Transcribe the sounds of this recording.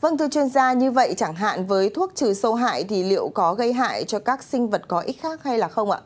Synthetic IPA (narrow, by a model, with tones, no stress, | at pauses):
və˧nt̪ʰɨ˧t͡ɕwi˧ənzaː˧ɲɨ˧və̰˧˨jt͡ɕa˧˩ŋɦa̰ː˧˨nvəː˨˦jt̪ʰu˦˥ək̚t͡ɕɨ˨˩sə˧wɦa̰ː˧˨jt̪ʰi˨˩lḭ˧˨əwkɔ˨˦ɣə˧jɦa̰ː˧˨jt͡ɕɔ˧kaː˦˥k̚sï˧ŋ̟və˨˩t̚kɔ˨˦ʔi˦˥t̚xaː˦˥k̚ha˧jlaː˨˩xə˧wŋ͡mʔa̰ː˧˨